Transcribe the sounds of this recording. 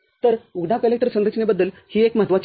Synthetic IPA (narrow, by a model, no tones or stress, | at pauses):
t̪əɾuɡɖʱakəlek̚ʈəɾsənət͡ɕnebəd̪ːəl | hiːekməɦaət̪ʋat͡ɕ